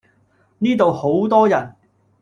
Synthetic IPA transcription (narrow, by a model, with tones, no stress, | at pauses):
niː˥t̪o˨who˨˥wt̪ɔː˥jɐ˨˩n